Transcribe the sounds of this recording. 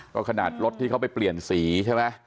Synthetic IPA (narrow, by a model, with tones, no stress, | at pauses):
kɔ̰ː˥˩kʰa˧naː˨˩t̪̚ɾo˦˥t̪̚ʰːiː˥˩kʰwpa˧jpli˨˩ənsiː˩˦t͡ɕʰe˥˩ma˦˥